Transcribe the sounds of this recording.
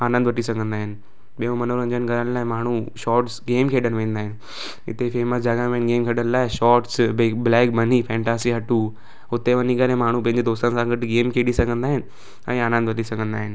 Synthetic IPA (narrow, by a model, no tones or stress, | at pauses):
aːnə̃nd̪ʋɐʈisɐɡʱə̃nd̪aːɦɪnɪ̆ | ɓijõmɐnoɾɐ̃ɲd͡ʑənɪɡɐɾəñlaːɪmaːɳ̤uʃɔːɾʈsɡeːmkʰeːɗəñʋẽːnd̪aːɦɪnɪ̆ | ɪ̰t̪efeːməsd͡ʑaːɡãnʋẽːnɡeːmkʰeːɗənlaːɪʃɔːɾʈsblɛːk̚bɐnifʰɛ̃ːɳʈaːsiɦɐʈu | ʊt̪eʋɐnikɐlẽmaːɳ̤ũpɐ̃ɦɪ̃ɲd͡ʑed̪oːst̪ənsãːŋɡəʈɡeːmkʰeːɗisɐɡʱə̃nd̪aːɦɪnɪ̆ | ɛ̃ːaːnə̃nd̪ʋɐʈisɐɡʱə̃nd̪aːɦɪnɪ̆